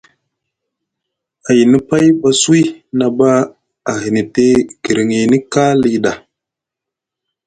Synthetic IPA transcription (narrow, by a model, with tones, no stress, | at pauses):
a˨ji˨ni˦pa˦jɓa˦su˦i˦na˨ba˦ | a˨ɦi˨ni˨te˦ɡ̥i˨ɾi˨ŋi˨ni˦ka˦li˨ɗa˨